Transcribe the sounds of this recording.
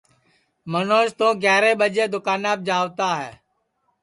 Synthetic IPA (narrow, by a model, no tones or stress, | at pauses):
mənoːst̪õːɡɛːɾeːɓəd͡ʒeːd̪ʊkaːnaːb̚d͡ʒaːʋt̪aːɦɛː